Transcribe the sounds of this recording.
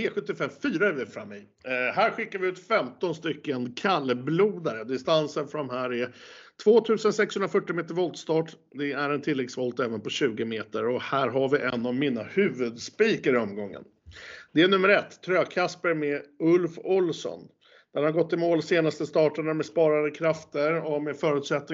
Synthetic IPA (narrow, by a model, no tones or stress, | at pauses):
eːɧɵt̪ːɪfɛmːfyːɾaɛvɪfɾamːɪ | hæːɾɧɪkːaɾvɪʉ̟ːt̪fɛmt̪ɔnst̪ʏkːənkʰalːbluːd̪aɾəd̪ɪst̪ansənfɔɳd̪ɔmɦæːɾæt̪ʰvoːt̪ʰʉ̟ːsənsɛkshɵnɾafœʈːɪmeːt̪əɾvɔlt̪st̪ɑːʈ | d̪ɛæɾɛnt̪ʰɪlːɛk̚t̪svɔlt̪ɛːvənpɔɕʉ̟ːɡəmeːt̪əɾɔhæːɾɦaɾvɪʔɛnːavmiːnahʉ̟ːvɵd̪spiːkəɾɪɔmɡɔŋːə̰n | d̪ɛæɳnɵmːəɾɛt̪ːʰɾøːkʰaspəɾmɛɵlfɔlsɔ̰n | d̪̥ænhaɾɡɔt̪ːɪmoːlseːnast̪əst̪ɑːʈəd̪əmɛspɑːɾand̪əkʰɾaft̪əɾɔmɛfœːɾʉ̟ːt̪sɛt̪nɪ